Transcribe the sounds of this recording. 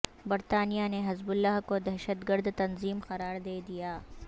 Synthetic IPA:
bɐɾt̪aːnijaneɦɐzbʊlːaɦkod̪ɐɦʃət̪ɡəɾd̪t̪ɐnziːmxɐɾaːɾd̪eːd̪ijaː

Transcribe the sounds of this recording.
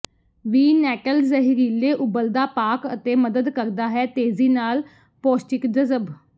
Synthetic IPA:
ʋiːnɛːkəlzəɦiɾiːleːʔʊbəld̪aːpaːkə̰t̪eːməd̪əd̪kəɾd̪aːɦɛːt̪eːziːnaːl | pɔːsʈɪkd͡ʒəzəb

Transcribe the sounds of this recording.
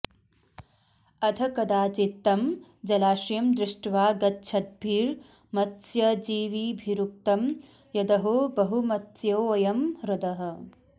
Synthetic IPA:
ɐd̪ʰɐkɐd̪aːt͡ʃit̪ːɐmd͡ʒɐlaːʃjɐmd̪ɾɪʂʈʋaːɡɐtːʃʰɐt̪̚bʱiːɾ | mɐt̪sjɐd͡ʒiːʋiːbʱiɾuk̚t̪ɐm | jɐd̪ɐɦobɐɦumɐt̪ːjɐwɐjɐmɾɐd̪ɐɦɐ̆

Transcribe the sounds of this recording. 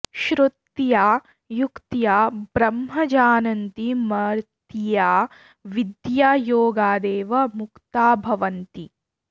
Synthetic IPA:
ʃɾut̪jaː | jukt̪jaːbɾɐmɦɐd͡ʒaːnɐnt̪imɐɾtt̪jaː | ʋid̪jaːjoːɡaːd̪eːʋɐmukt̪aːbʱɐʋɐnt̪i

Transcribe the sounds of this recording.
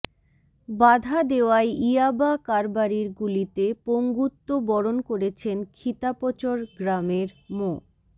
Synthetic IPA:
bad̪ʱad̪eoaeiabakaɾbaɾiɾɡulit̪epoŋɡut̪ːobɔɾonkoɾet͡ɕʰenkʰit̪apot͡ɕoɾɡɾameɾmo

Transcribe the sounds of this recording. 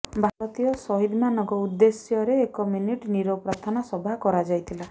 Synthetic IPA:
bʱaɾɔt̪ijɔsɔɦid̪manɔkɔud̪ːesjɔɾeːkɔminiʈniɾopɾat̪ʰanasɔbʱakɔɾad͡ʒajt̪ʰila

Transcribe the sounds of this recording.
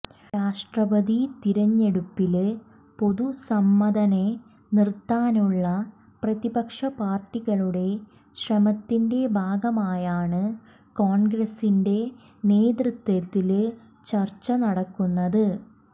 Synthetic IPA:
ɾaːʂʈrɐbɐd̪it̪iɾɐɲːe̞ɽupːil | po̞ðusɐmːɐd̪ɐne | nirt̪ːaːnuɭːɐ | prɐðibɐkʂɐpaːrʈːiɣɐɭuɽe̞ | ɕrɐmɐt̪ːinde̞bʱaːɡɐmaːjaːɳɨ | koːɳɡɾɐsinde̞ | neːd̪rɨt̪ːɐt̪ːil | t͡ɕɐrt͡ɕːɐnɐɽɐkːunːɐðɨ

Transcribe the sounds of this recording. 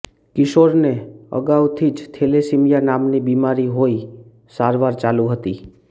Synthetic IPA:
kɪʃoɾneə̰ɡawt̪ʰid͡ʒt̪ʰelesimjanamnibimaɾiɦoi | saɾʋaɾt͡ʃalũɦət̪i

